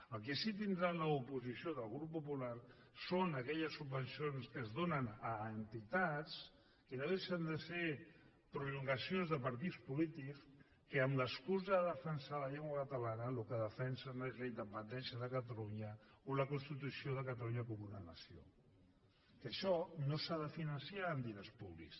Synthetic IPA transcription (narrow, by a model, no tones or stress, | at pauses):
əlˠk̬isit̪̬ind̪ɾaləupuzisioðəlˠɣɾupːupulaɾ | sonəkɛʎəsːubənsionskəzðonənəːnt̪it̪at͡s | kənoðeʃənd̪əse | pɾuluŋɡəsionzðəpəɾt̪̬ispulit̪iks | kəːmləskuzəðəfənsaləʎeŋɡwakət̪əlanəlukəðəfɛnsənoezləind̪əpənd̪ɛnsjəðəkət̪əluɲə | oləkunst̪it̪usioðəkət̪əluɲəkumunanə̰sio̰ | kəʃɔnosaðəfinənsiaənd̪iɾəspuβlḭks